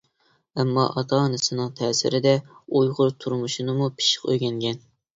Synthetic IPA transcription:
ɛmːɑ̰ʔɑt̪ʰɑnɨsɨnɨŋt̪ʰɛːsɪ̰ɾɪd̪ɛujʁʊɾt̪ʰuɾmuʃinɨmupʰɪ̥ʃɪ̥qø̰jɡʲɛŋɡʲɛn

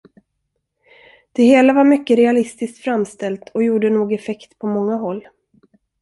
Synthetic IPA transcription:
d̪̥ɛheːlavaɾmʏkːəɾɛalɪst̪ɪsk̚t̪fɾamst̪ɛlt̪ʰɔjuːɖənoːɡɛfɛkt̪pʰɔmɔŋːaɦɔlː

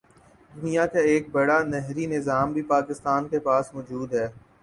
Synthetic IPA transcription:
d̪ʊnijakaeːk̚bɐɽanɛɦɾinɪzaːmbʱipaːkɪst̪aːnkepaːsmɔːd͡ʒuːd̪ɦɛː

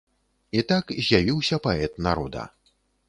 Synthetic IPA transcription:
it̪akzʲjavʲiwsʲɐpaɛt̪naɾɔd̪ɐ̰

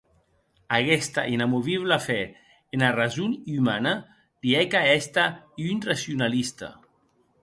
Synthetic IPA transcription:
aɣɛst̪a̰ʔinamuβiβ̞lafɛ | enarazunymana | liɛkaɛst̪aiynrasiunalist̪a̰

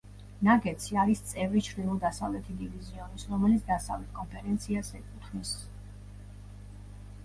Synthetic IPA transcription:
naɡɛt̪sʰiaɾist̪sʼɛvɾit͡ʃʰɾd̪ilˠud̪asavlɛt̪ʰid̪iviziɔnisɾɔmɛlit̪sʰd̪asavlɛt̪̚ʰkʼɔnpʰɛɾɛnt̪sʰiasɛkʼut̪ʰnis

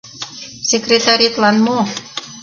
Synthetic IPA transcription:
sekret̪aɾit̪lanmo

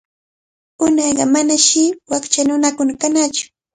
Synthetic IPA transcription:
ʊnɑjɢɑ̰manaʃɪwakt͡ʃanʊnakʊnakanat͡ʃʊ̥

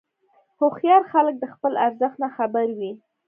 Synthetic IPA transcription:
hoxjɑɾxalək̚d̪əxpəlaɾzəxt̪naxabaɾwi

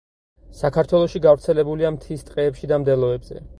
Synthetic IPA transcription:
sakʰaɾt̪ʰwɛlˠɔʃiɡavɾt̪sʰɛlɛbuliamt̪ʰist̪ʼqʼɛːpʃid̪amd̪ɛlˠɔɛbz̥ɛ̰

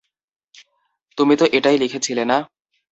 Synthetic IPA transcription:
t̪umit̪oʔeʈajlikʰet͡ɕʰilena

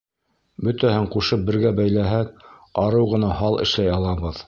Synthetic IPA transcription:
bɵ̆t̪æhɘɴquʃɤp̚bɘ̆ɾɡæbæjlæɦækɑɾɤwʁɤ̆nɑhɑlˠɘ̰̆ʃlæjɑlˠɑβɤð

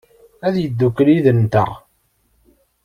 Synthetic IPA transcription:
æðjəd̪ːukːliðənt̪ə̰ʁ

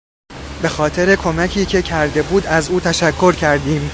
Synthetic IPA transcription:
be̞xɒːt̪ʰe̞ɾe̞kʰo̞mæcʰiːcʰe̞cʰæɾd̪e̞buːd̪æzuːt̪ʰæʃækʰːo̞ɾcʰæɾd̪iːm

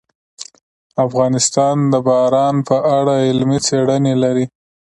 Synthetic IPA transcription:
afɣɑnɪst̪ɑnd̪əbɑɾɑnpəʔaɽaɪlmit͡seɽənelaɾi

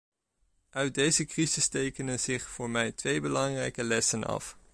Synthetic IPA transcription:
ʔœɥt̚dejzəkrizɪstejkənənz̥ɪχfʊːɹmɛjtʋejbəlɑŋrɛjkəlɛsənɑ̰f

